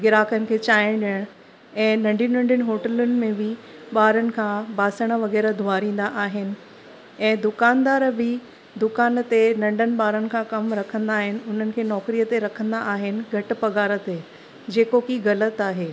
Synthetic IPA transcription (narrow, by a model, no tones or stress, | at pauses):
ɡɪɾaːkənɪ̆kʰeːt͡ɕaːɪɽ̃ɗijəɽ̃ | ɛ̃ːnɐ̃ɳɖʱinɐ̃ɳɖənɪ̆ɦoːʈəlʊnɪ̆mẽbɪɓaːɾənɪ̆kʰãːbaːsəɽ̃ə̆ʋɐɣɛːɾəd̪ʱʊaːɾĩːn̆d̪aʔaːɦɪnɪ̆ | ɛ̃ːd̪ʊkaːnd̪aːɾbɪ | d̪ʊkaːnt̪enɐ̃ɳɖənɪ̆ɓaːɾənɪ̆kʰãkɐmɾɐkʰə̃nd̪aːɦɪnɪ̆ʊn̤ənɪ̆kʰeːnɔːkɾijət̪eɾɐkʰə̃nd̪aʔaːɦɪnɪ̆ɡʱɐʈ̆pɐɡaːɾə̆t̪e | d͡ʑeːkokiːɣɐlət̪aːɦeː